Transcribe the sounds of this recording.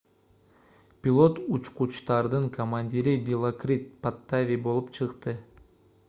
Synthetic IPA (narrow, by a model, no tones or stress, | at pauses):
pʲɪlˠo̞t̪ut͡ʃqut͡ʃt̪ɑɾd̪ɯŋkʰomanʲdʲiɾid̪ʲilˠokrʲit̪̚pat̪ːavʲibo̞lˠupt͡ʃʰɯqt̪ɯ